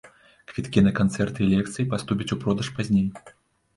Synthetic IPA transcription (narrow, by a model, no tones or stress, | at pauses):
kvʲit̪kʲinɐkant̪sɛrt̪ɨlʲɛkt̪sɨjipast̪upʲit͡sʲupɾɔd̪ɐʂpazʲnʲej